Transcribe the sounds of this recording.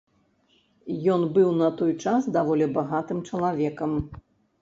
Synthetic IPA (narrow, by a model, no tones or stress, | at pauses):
jɔnbɨwnɐt̪ɔjt͡ʂasd̪avɔlʲɛbaɣat̪ɨmt͡ʂɐlˠavʲɛkɐm